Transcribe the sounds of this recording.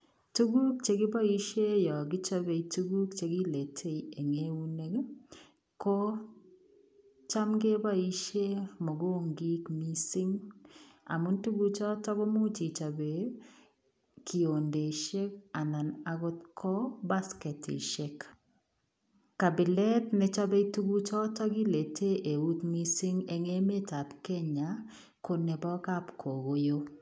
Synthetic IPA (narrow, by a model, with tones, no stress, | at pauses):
tu˦ɡu˦k̚t͡ʃe˦ɡɪ˦ba˦i˦ʃe˦jɔ˨ɡɪ˦t͡ʃa˦βe˨tu˦ɡu˦kt͡ʃe˨ɡi˦le˨tʰe˦ie˨ŋe˦u˦ne˦k | ko˦ | t͡ʃa˦mɡe˦ba˦i˦ʃe˦mɔ˨ɡo˦˨ŋɡi˦kmi˦sɪ˦ŋ | a̰˨mu˦ntu˦ɡu˦t͡ʃɔ˦tɔ˦βɔ˦mu˦t͡ʃi˨t͡ʃa˨be˨ | kʰi˨o˨nde˨ʃe˦ka˨na˨na˨ɡɔ˦t̪̚kʰɔ˦ba˦skɛ˨tḭ˨ʃɛ˦k | ka˨bɪ˨lɛ˦tnɪ˦t͡ʃa˦bɛ˦tu˦ɡu˦t͡ʃɔ˦tɔ˦ɡi˦le˨tʰe˦ʔe˨u˦t̪mi˦sɪ˦ŋe˦ŋe˦me˦ta˨pke˦ɲa˨ | ko˨ne˨bɔ˦ka˦pkʰo˨ɡo˦jo˦